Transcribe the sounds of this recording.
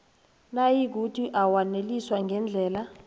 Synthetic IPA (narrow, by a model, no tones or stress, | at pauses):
najiɡ̬ʱutʼiʔawaneliswaŋɡʱɛnd͡ɮʱɛːla